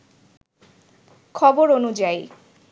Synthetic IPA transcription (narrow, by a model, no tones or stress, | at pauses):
kʰɔboɾonud͡ʑaj